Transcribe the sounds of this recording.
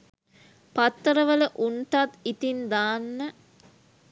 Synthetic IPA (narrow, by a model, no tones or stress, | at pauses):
pat̪ːəɾəʋələʔunʈ̪at̪it̪ind̪aːnːə